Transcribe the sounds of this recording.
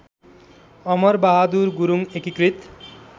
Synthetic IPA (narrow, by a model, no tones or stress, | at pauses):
ʌmʌrbaɦad̪urɡuɾuŋekikrit̪